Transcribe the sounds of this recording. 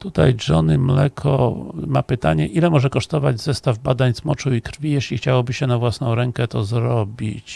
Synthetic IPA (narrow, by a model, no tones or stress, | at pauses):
t̪ut̪ajd͡ʐɔnɘmlɛkʰɔ̰mapɘt̪aɲɛʔilɛmɔʐɛkɔʂt̪ɔvad͡ʑzɛst̪avbad̪aɲzmɔt͡ʂuikɾfʲijeɕlʲixt͡ɕawɔbɘɕɛnavwasnɔ̃w̃ɾɛŋkɛt̪ɔzɾɔbʲḭt͡ɕ